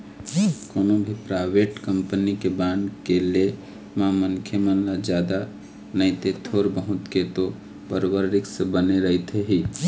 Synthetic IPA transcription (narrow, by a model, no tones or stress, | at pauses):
koːnobʱipɾaɪʋeːʈkəmpənikebãːɳkele | mãmənkʰjəmənlad͡ʒjaːd̪a | nəɪt̪et̪ʰoːɾbəɦʊ̃t̪ket̪o | bəɾbəɾɾɪksebəneɾəɦit̪eɦiː